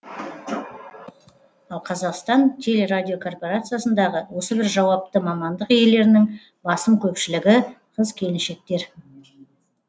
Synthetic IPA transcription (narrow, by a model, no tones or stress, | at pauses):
ɑlˠqʰɑzɑqst̪ɑnt̪ʲʰe̞le̞ɾadʲijo̞kʰo̞rpo̞ɾat̪sɨjasənd̪ɑʁəwo̞səbɪɾʒɑwɑp̚t̪əmɑmɑnd̪əqje̞le̞ɾɪnɪŋ | bɑsəmkʲʰɵpʃɪlɪɡʲɪ | qʰəzkʲʰe̞lɪnʃe̞k̚t̪e̞ɾ